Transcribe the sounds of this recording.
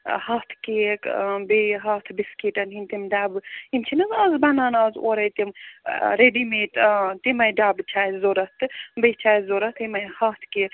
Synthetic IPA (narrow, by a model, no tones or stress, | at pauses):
haːt̪ʰkiekbeɦaːt̪ʰbiskiʈɐnɦint̪imd̪aːbɨhint͡ʃʰinɐzaːzbɐnaːnaːzo̰ːɾɐjt̪imɾed̪imeːt̪t̪imɐjdaːbɨt͡ʃʰaːzzoɾɐt̪ːɨbet͡ʃʰaːzoɾɐt̪ʰimɐjhat̪ʰkik